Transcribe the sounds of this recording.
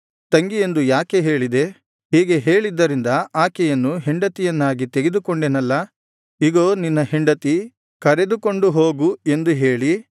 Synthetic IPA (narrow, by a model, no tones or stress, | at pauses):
t̪ɐŋɡije̞nd̪ujaːkeɦe̞ːɭid̪e̞ | hiːɡe̞ɦe̞ːɭid̪ːɐɾind̪ɐaːkɛjɐnːuɦɛɳɖɐt̪ijɐnːaːɡit̪eɡe̞d̪ukoɳɖenɐlːɐ | iɡoːninːɐɦeɳɖɐt̪i | kɐɾe̞d̪uko̞ɳɖuɦo̞ːɡue̞nd̪uɦe̞ːɭi